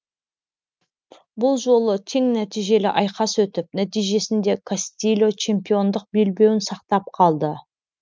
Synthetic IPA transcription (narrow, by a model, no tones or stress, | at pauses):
bʊlˠʒo̞lˠət̪ʰe̞ŋnæt̪ijʒe̞lɪ̰ʔɑjqɑswɵt̪ɪp̚næt̪ijʒe̞sɪnd̪e̞kʰast̪ʲilʲo̞t͡ʃʰe̞mpijo̞nd̪əq̚be̞lbe̞wɪnsɑqt̪ɑp̚qʰɑlˠd̪ə